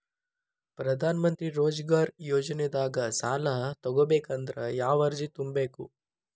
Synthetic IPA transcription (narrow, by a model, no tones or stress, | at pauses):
pɾɐd̪ʱaːnɐmɐnt̪ɾiɾoːd͡ʒɡaːɾjoːd͡ʒɐned̪aːɡɐsaːlɐɦt̪ɔɡobeːkɐnd̪ɾɐjaːʋɐɾd͡ʒit̪umbeːku